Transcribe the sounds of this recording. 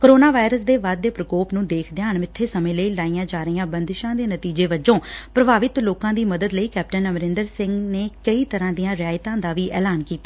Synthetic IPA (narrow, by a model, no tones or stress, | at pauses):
kəɾoːnaːʋaːɪɾəsd̪eːʋaːd̪ːeːpɾəkoːpnũːd̪eːkʰd̪ɪãːɳmɪt̪ʰːeːsəmẽːləiːlaːijãːd͡ʒaːɾjãːbənd̪ʃãːd̪eːnət̪iːd͡ʒeːʋəd͡ʒõːpɾəbaːʋɪt̪loːkãːd̪iːməd̪əd̪ləiːkɛːp̚ʈənəmɾɪ̃nd̪əɾsɪ̃ŋɡneːkəiːt̪əɾãːd̪ijãːɾɪjaːɪt̪ãːd̪aːʋiːʔɛːlaːnkiːt̪aː